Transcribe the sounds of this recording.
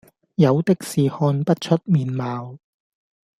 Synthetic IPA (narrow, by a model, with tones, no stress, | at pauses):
jɐ˨˧wt̪ɪ˥k̚siː˨˩hɔː˧npɐ˥t̚t͡ʃʰɵ˥t̚miː˨˩nmaː˨w